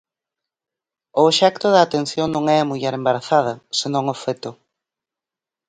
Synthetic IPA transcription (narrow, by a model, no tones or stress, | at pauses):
ʊʃɛkt̪ʊðɐːt̪en̟θjoŋnõŋɛamuʎɛɾembaɾaθað̞ɐsenõŋofɛt̪ʊ